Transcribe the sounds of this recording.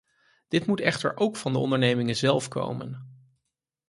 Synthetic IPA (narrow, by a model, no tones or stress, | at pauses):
d̥ɪtmutɛχtə̰ɹʔowkfɑndəɔ̰ndəɹnejmɪŋənzɛlˠfko̰wmə̰n